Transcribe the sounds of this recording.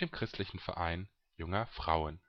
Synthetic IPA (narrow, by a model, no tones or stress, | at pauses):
ɪmkʁ̥ɪstlɪçn̩fɛɐʔaɪn | jʊŋɐfʁ̥a̰ʊən